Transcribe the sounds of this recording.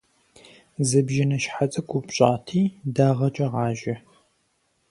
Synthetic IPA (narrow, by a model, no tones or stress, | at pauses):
zɨbʒɐnɐʃħat͡sʼɐɡʷʼupɕʼaːtʰiːdaːʁɐt͡ʃʼɐʁɑːʒɐ